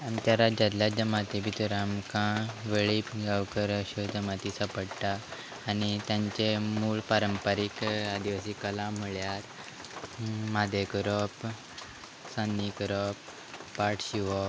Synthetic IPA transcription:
amt͡ɕaɾad͡ʑat̪ljad͡ʑəmat̪ibʱit̪uɾamkãʋeɭiːpɡawkəɾəɕud͡ʑəmat̪isapəɽʈ̪aː | nit̪jãɲt͡ɕemuːɭpaɾəmpəɾikad̪iʋasiːkəlãm̤əɭjaɾ | mad̪ʱekəɾɔp | sanːikəɾɔpː | aʈʰɕiʋɔ

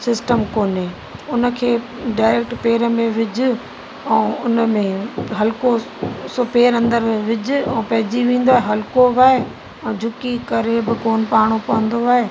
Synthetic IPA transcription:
sɪsʈəmkoːnɦeː | ʊnə̆kʰeː | ɖaːɪɾek̚ʈpeːɾəmẽʋɪd͡ʑʊ̆ | ɛ̃ːʊnəmẽɦɐlko | sopeːɾɐ̃nd̪əɾʋɪd͡ʑʊ̆ɛ̃ːpɐɦɪd͡ʑiʋẽːnd̪oaːɦeɦɐlkoʋaːe | ɛ̃ːd͡ʑʱʊkikɐɾebɪkoːnpaːɽ̃opɐʋə̃nd̪oaːɦeː

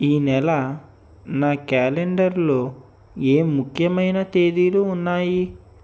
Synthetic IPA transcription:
iːnɛlɐ | naːkaːleɳɖɐɾloː | e̞ːmːukʰjɐmɐjnɐt̪e̞ːd̪iluːnːaːji

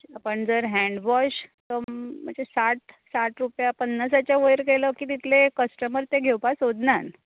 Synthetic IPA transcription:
apəɳd͡zəɾɦɛ̃ɳɖʋɔɕt̪ɔm̤ə̃ɳd͡zesaʈsaʈɾupjapənːəsat͡ɕjaʋəjɾkeləkiːt̪it̪ʰlekəsʈəməɾt̪eɡʱewpasod̪nan

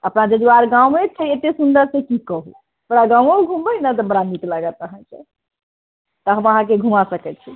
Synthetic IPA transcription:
əpnad͡ʒed̪uaɾɡãwmet͡ʃʰəet̪esund̪əɾsekikəɦṵ | bəɾaɡãũəɡʱumbəjnət̪əbəɽanit̪ləɡət̪əɦə̃nt͡ʃʰɛ̰ | t̪əɦəməɦãk̬eɡʱumasəkɛt̪̚t͡ʃʰi

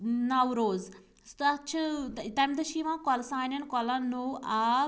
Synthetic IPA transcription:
nɐwɾoːz | st̪ɐt͡ʃ̪ʰt̪ɐmd̪ɐʃiʋãːkɔlsãːnɐnkɔlãnoʔaː

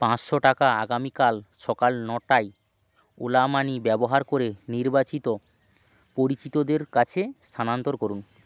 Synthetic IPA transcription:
pãt͡ɕʃoʈakaaɡamikalʃɔkalnɔʈaj | olamanibɛboɦaɾkoɾeniɾbat͡ɕit̪o | poɾit͡ɕit̪od̪eɾkat͡ɕʰest̪ʰanant̪oɾkoɾun

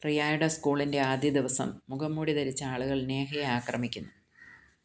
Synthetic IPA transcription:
rijaːjɽɐskuːɭinde̞aːd̪jɐd̪iʋɐsɐ̰mːuɡɐmːuːɽiðɐɾit͡ɕːɐaːɭuɣɐɭne̞ːɦɐjeaːkrɐ̰mikʲːunːu

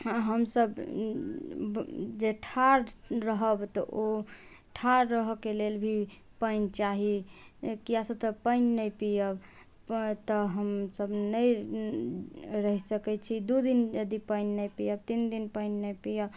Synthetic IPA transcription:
ɦəmsəb | d͡ʒeʈʰaɾɾəɦəbt̪ɔʔo | ʈʰaɾɾəɦkelelbʱi | pəɪnt͡ʃaɦikijasət̪əpəɪnnəjpijəb | t̪əɦəmsəbnəj | ɾəɦisəkɛt͡ʃʰid̪ud̪injəd̪ipəɪnːəjpijəb̚t̪ind̪inpəɪnːəjpijəb

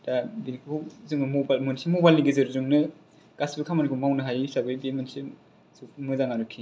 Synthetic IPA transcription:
dabinkʰowzɯŋnɯmobalmɯnsimobajlniɡizɯɾzuŋnɯ | ɡ̥asbɯkʰamanikʰumawnɯɦajsabɯjbemɯnsi | sumɯzaŋaɾukʰːi

